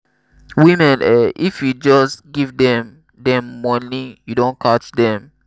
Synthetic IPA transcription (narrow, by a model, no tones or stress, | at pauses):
wimɛ̃nɛʔifjud͡ʒɔsɡivdɛ̃m | dɛ̃mːɔnijudõnkʰat͡ʃdɛ̃m